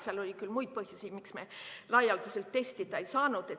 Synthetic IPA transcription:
seɑlo̞lʲikylmujd̪̚pɤhjusʲi̥miksmelɑjːɑld̪uselt̪ːe̞st̪id̪ˑɑejsɑːnud̪̥e̞

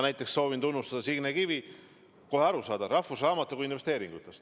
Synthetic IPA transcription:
næjt̪ːˑeksso̞ːvint̪unːust̪ɑd̪̥ɑsiɡnekivi | koɦeɑɾusɑːd̪ɑɾɑhfusrɑːmɑt̪ːˑukuinve̞st̪e̞ːɾiŋɡ̥ut̪ːˑest̪

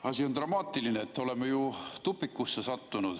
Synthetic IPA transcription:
ɑsiont̪rɑmɑːt̪ːˑilineːt̪ːo̞le̞mːejut̪upːikːusːesɑt̪ːunud̪̥

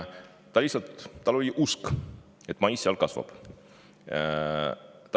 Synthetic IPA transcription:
t̪ɑlʲisːɑt̪ːɑlolʲiʔusk | e̞t̪ːˑmɑjssːeɑlkɑsvɑ̰b̥ | t̪ɑ

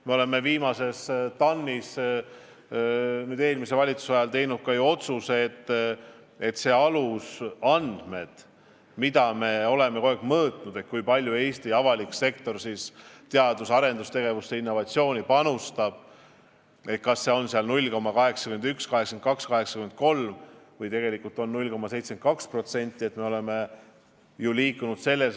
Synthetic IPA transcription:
me̞o̞le̞mːeviːmɑse̞st̪ɑnːis | nyːd̪e̞ːlmise̞vɑlʲit̪su̥sɑjɑlt̪e̞jnud̪̥̚kɑjuo̞t̪suset̪ː | e̞t̪se̞ːɑlusɑnd̪̥me̞d̪̥ | mid̪ɑme̞o̞le̞meko̞ekmɤːt̪ˑnud̪e̞t̪kujpɑlʲjue̞ːst̪iɑvɑlikse̞k̚t̪o̞rsist̪eɑd̪̥usɑɾe̞nd̪ust̪e̞ɡ̥e̞vust̪e̞inːo̞vɑt̪sio̞ːnʲipɑnust̪ɑb̥̚ | e̞t̪̚kɑsːe̞o̞nseɑlnulʲːko̞mːɑkɑɦe̞ksɑ̥kyme̞nd̪ykskɑɦe̞ksenkɑkskɑɦe̞ksɑkymen̚ko̞lmvɤjt̪e̞ɡ̥e̞likːˑult̪ˑo̞nnulʲko̞mːɑse̞jt̪sent̪̚kɑkspro̞t̪se̞nʲt̪ːˑie̞t̪me̞o̞le̞me̞ | juliːkːunud̪̥se̞lːe̞s

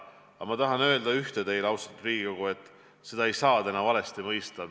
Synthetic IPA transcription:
ɑmɑt̪ɑɦɑnø̞ːld̪̥ɑyht̪ed̪e̞jlɑwsɑ̥t̪ɾiːɡiko̞ɡ̥ue̞t̪ːˑ | se̞d̪ɑejsɑːd̪enɑvɑle̞st̪imɤjst̪ɑ

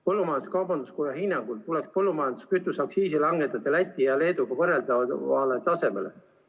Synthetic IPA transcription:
pɤlːumɑjɑnd̪u̥skɑwbɑnd̪uskujɑɦinːɑŋɡ̥ult̪t̪ulekspɤlːumɑjɑnd̪uskyt̪ːˑusɑksiːsilɑŋɡet̪ːˑɑt̪ːˑelæt̪ʲːˑiɑle̞ːd̪uɡ̥ɑvɤreld̪ɑvɑlet̪ɑse̞me̞̰le

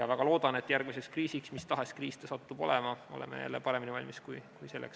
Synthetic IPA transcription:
jɑvæɡ̥ɑlo̞ːd̪̥ɑne̞t̪ːˑjærɡ̥mise̞kskriːsiksmist̪ɑɦe̞skriːst̪esɑt̪ːub̥o̞̰lemɑo̞̰lḛmḛjæ̰lːepɑɾe̞minivɑlʲmiskujkujse̞lːḛks

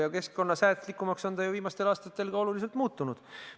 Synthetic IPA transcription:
jɑke̞skko̞nːɑsæːt̪likːˑumɑkso̞nd̪ɑjuviːmɑst̪e̞lɑːst̪ɑt̪ːˑe̞lɡ̥ɑo̞lulis̬e̞lt̪ˑmuːt̪ːˑunud̪̥

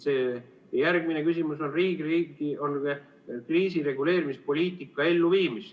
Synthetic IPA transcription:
se̞ː | jærɡ̥mine̞kysimuso̞nriːɡriːɡion | kriːsiɾe̞ɡule̞ːɾimispo̞lʲiːt̪ˑikːˑɑe̞lːuviːmis

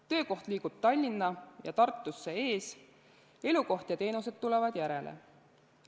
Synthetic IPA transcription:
t̪ø̞ːko̞ht̪liːɡ̥ub̥̚t̪ɑlʲːinːɑjɑ̰t̪ɑrt̪ˑːusːe̞e̞ːs | e̞luko̞ht̪jɑt̪e̞ːnuse̞d̪̥̚t̪ːulevɑd̪̥jæɾe̞̰lʔḛ

